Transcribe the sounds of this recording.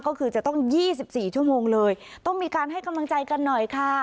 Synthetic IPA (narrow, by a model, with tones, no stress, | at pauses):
kɔː˥˩kʰɯː˧t͡ɕa˨˩t̪ɔ˥˩ŋjiː˥˩s̬i˨˩p̚siː˨˩t͡ɕʰu˥˩əmoː˧ŋlɤː˧jt̪ɔ˥˩ŋmiː˧kaː˧nɦa˥˩jka˧mla˧ŋt͡ɕa˧jka˧nːɔ˨˩jkʰa˥˩